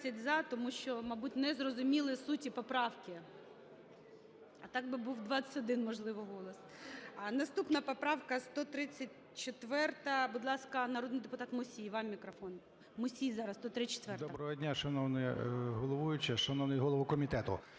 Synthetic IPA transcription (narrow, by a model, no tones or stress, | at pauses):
sʲɐtʲzɑt̪ɔmuʃt͡ʃɔmɐbutʲnɛzrɔzʊmʲilˠɪsutʲipɔpɾɑwkɪ | ɐt̪ɑɡ̚bɪbuwd̪ʋɑt͡sʲɐ̥tʲɔd̪ɪnmɔʒlˠɪʋɔɦɔlˠɔs | nɐst̪upnɐpɔpɾɑwkɐst̪ɔt̪ɾɪt͡sʲːɐt̚ʲ | t͡ʃet̪ʋɛrt̪ɐbud̪lˠɑskɐnɐɾod̪nɪjd̪epʊt̪ɑt̪mʊsʲijʋɑmmʲikɾɔfɔn | mʊsʲijzɑɾɐst̪ɔt̪ɾɪt͡ʃe̥t̪ʋɛrtd̪ɔɐbɾɔɦɔdʲnʲaʃɐnɔwnɛjɦɔlˠɔʋujʊt͡ʃɛʃɐnɔwnɪjɦɔlˠɔʋʊkɔmʲit̪ɛt̪ʊ̰